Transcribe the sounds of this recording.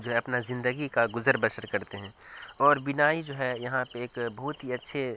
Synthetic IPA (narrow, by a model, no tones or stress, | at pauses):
d͡ʒoːɦɛɐpnazɪ̃nd̪əɡikaɡʊzəɾbəʃəɾkɐɾt̪eɦɛ̃ːɔːɾbɪnaːid͡ʒoːɦɛjɐɦãpeeːkbɐɦʊt̪ɦiɐtːʃʰe